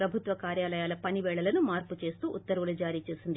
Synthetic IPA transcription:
ɾɐbʱut̪ʋɐkaːɾjaːlɐjaːlɐpɐniʋeːɭɐlɐnumaːɾput͡ʃe̞ːst̪uːʔut̪ːɐɾɐʋulɐd͡ʒaːɾiːt͡ʃe̞ːsund̪i

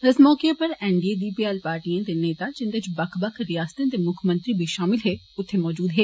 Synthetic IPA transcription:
ɪsmɔːkepəɾɛːɳɖieːɖiːpiːɛːlpaːɾʈiːãt̪eːneːt̪aːd͡ʒɪnd̪et͡ʃbəkʰbəkʰɾɪjaːst̪ãt̪eːmʊkʰmə̃nt̪ɾiːbʱiʃaːmɪlɦeː | ʊt̪ʰːeːmɔːd͡ʒuːd̪ɦeː

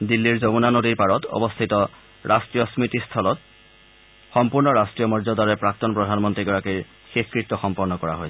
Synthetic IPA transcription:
dilːiɹzobunanodiɹpaɹɔtɔ̰bɔst̪ʰitɔ | ɹʔastɹijɔsmitist̪ʰɔlɔt̚ | xɔmpuɹnɔɹastɹijɔmɔɹzɔdaɹɛpɹak̚tɔnpɹɔdʱanmɔntɹiɡɔɹakij | xexkɹit̪ːɔxɔmpɔɹnɔkɔɹa̰ɦojsɛ

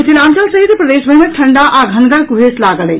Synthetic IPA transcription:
t͡ʃilãnt̪əlsəɦit̪pɾəd̪esbʱəɦimeʈʰəɳɖaʔaɡʱənɡəɾkuɦeslaɡələj

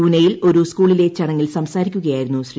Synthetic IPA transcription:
uːnɐjilo̞ɾuskuːɭile̞t͡ɕɐɽɐŋːilsɐmsaːɾikʲːuɣɐjaːjɾunːuɕri

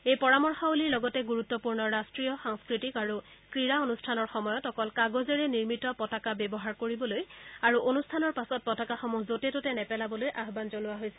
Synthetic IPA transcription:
ejpɔɹamɔɹxɔoliɹlɔɡɔtɛɡuɹut̪ːɔpuɹnɔɹastɹijɔxaŋskɹitikaɹu | kɹiɹaonustʰanɔɹxɔmɔjɔtɔkɔlkaɡozɛɹɛniɹmitɔpɔtakabɛbɔɦaɹkoɹibɔlojaɹuʔonustʰanɔɹpasɔt̚pɔtakaxɔmuzotɛtotɛnɛpɛlabɔlojʔaɦbanzonʊwaɦojsɛ̥

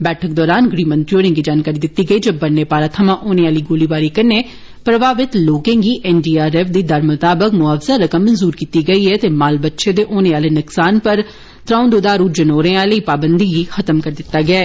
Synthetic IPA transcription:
bɛːʈʰək̚d̪ɔːɾaːnɡɾiːmə̃nʈuːɾɪ̃ŋɡiːd͡ʒaːnkaːɾiːd̪ɪt̪ːiːɡəiːd͡ʒəbəneːpaːɾaːt̪ʰəmãːʔoːneːaːliːɡoːliːbaːɾiːkəɾneː | pɾəbaːʋɪt̪loːkẽːɡiːʔɛːnɖiːaːɾɛːfd̪iːd̪əɾmʊt̪aːbəkmʊaːfzaːɾəkəmːənzuːɾkiːt̪iːɡəiːɛːt̪eːmaːlbətːʃẽːd̪eːʔoːnẽːaːleːnʊksaːnpəɾ | t̪ɾãːʊ̃nd̪oːd̪aːɾuːd͡ʒənoːɾẽːaːləiːpaːbənd̪iːɡiːxʰət̪əmkəɾd̪ɪt̪ːaːɡɪaː

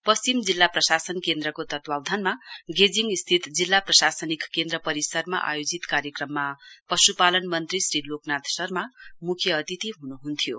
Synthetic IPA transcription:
pʌsimd͡zilːaprʌsasʌnkend̪ɾʌkot̪ʌt̪wawd̪ʱʌnmaɡed͡ziŋist̪ʰit̪d͡zilːaprʌsasʌnikkːend̪ɾʌpʌɾisʌrma̰ʔa̰jod͡zit̪kaɾjʌkrʌmːapʌsupalʌnmʌnt̪risriloknat̪sʌrmamukʰjʌːt̪it̪iɦunuɦunt̪ʰijo

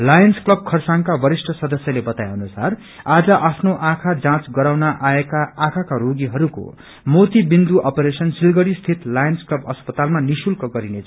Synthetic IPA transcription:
lajʌnsklʌb̚kʰʌrsaŋkabʌɾisʈʌsʌd̪ʌsjʌlebʌt̪ajɦʌnusar | ad͡zʌʔapʰnoʔakʰad͡zãt͡sɡʌɾawnaʔaekaːkʰakaɾoɡiɦʌɾuko̰ | mot̪ibind̪uʔʌpeɾesʌnsilɡʌɽist̪ʰit̪lajʌnsklʌbʌspʌt̪almanisulkʌɡʌɾinet͡sʰ

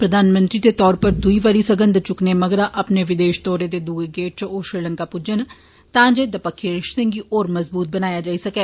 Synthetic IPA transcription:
pɾəd̪aːnmə̃nt̪ɾiːd̪eːt̪ɔːɾpəɾd̪ʊiːʋaɾiːsəɡə̃nd̪t͡ʃʊkneːməɡɾaːʔəpneːʋɪd̪eːʃt̪ɔːɾeːd̪eːd̪uːeɡeːʈ̚t͡ʃoːʃɾiːləŋkaːpʊd͡ʒən | t̪ãːd͡ʒed̪əpəkʰːiɾɪʃsɪ̃ŋɡiːʔoːɾməzbuːt̪̚bənaːjaːd͡ʒaːiːsəkeː

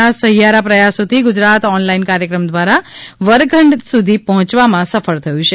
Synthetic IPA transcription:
asəɦijaɾapɾəjasot̪iɡʊd͡ʒɾat̪ɔnlainkaɾjəkɾəmd̪ʋaɾaʋəɾɡʱəɳɖsud̪ʱipɔɦɔ̃t͡ʃʋamãsəfəɭt̪ʰəjũt͡ʃʰe

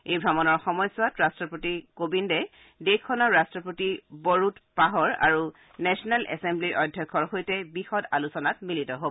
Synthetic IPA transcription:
ejbʱɹamɔnɔɹxɔmɔjsʊatɹastɹɔpɹotikobindɛ | dekʰːɔnɔɹastɹɔpɹotibɔɹutpaɦɔɹa̰ɹu | nɛsɔnalʔɛ̰sembliɹʔɔjdʱːjɔkʰːɔɹxojtɛbixɔdalusɔnatmilitɔɦobɔ

